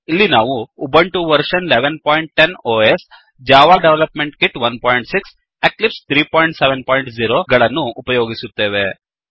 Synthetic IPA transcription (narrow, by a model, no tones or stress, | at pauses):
ilːinaːʋuːbɐɳʈuʋɐɾʂɐnileʋenpoːjɳʈ̚ʈenoːes | d͡ʒaːʋaːɖeʋlɐpmeɳʈkiʈʋɐnpoːjɳʈsiks | eklipst̪ʰɾiːpoːjiɳʈseʋenpoːjɳʈziɾoːɡɐɭɐnːuːpɐjoːɡisut̪ːe̞ːʋe